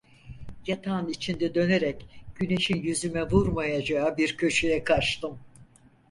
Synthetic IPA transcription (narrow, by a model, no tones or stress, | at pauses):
jat̪ʰanit͡ʃʰind̪ɛd̪ø̞neɾɛcɟ̥yne̞ʃinjyzymɛvuɾmajad͡ʒaːbiɾcʰø̞ʃejɛkʰat͡ʃt̪ɯm